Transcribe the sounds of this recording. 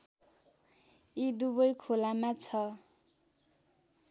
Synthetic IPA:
id̪uβʌjkʰolamãt͡sʰʌ

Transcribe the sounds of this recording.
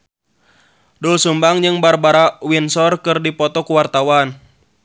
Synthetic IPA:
dɔlsumbaŋd͡ʒɨŋbarbaɾawinsɔrkɨrdipɔt̪ɔkuwart̪awan

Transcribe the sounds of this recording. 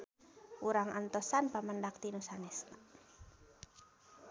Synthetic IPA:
uɾaŋʔant̪ɔsanpaməndak̚t̪inusanɛsna

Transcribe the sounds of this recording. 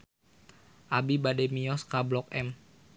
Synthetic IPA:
ʔabibadɛmiɔskablɔkɛm

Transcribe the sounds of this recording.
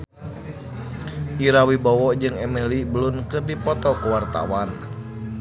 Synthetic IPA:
ʔiɾawibɔwɔd͡ʒɨŋɛmɛlibəlʊnkɨrdipɔt̪ɔkəwart̪a̰wan

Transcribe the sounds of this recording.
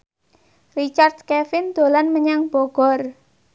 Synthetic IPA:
rit͡ʃard̪̚kɛfɪnd̪̥o̤lanməɲaŋb̥oɡ̥ɔr

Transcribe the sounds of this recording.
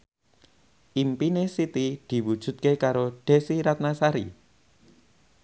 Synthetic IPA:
ʔimpinesit̪id̪̥i̤wud̥ʒ̥ṳt̪̚kekaɾoɖ̥e̤siɾat̪̚nasaɾḭ

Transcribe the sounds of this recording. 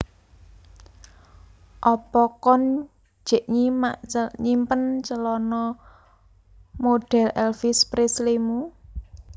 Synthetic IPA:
ʔɔpɔkɔn̥ | d͡ʒ̥e̤ʔɲimaɲimpənt͡ʃəlɔnɔ | moɖ̥ɛ̤lʔɛlfispɾeslimu

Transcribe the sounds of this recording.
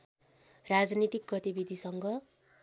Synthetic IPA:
rad͡znit̪ik̚ɡʌt̪ibid̪ʱisʌŋɡʌ

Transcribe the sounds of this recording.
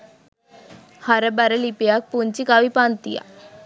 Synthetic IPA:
haɾɛbaɾɛlipijak̚punt͡ɕikaʋipant̪ija̰

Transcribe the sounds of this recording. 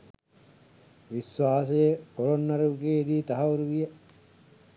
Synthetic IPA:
ʋisʋaːsejepoɾonːɐɾuuɡeːid̪iːt̪ɐɦɐuɾuʋijə

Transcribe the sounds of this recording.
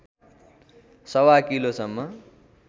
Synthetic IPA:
sʌwakilosʌmːʌ

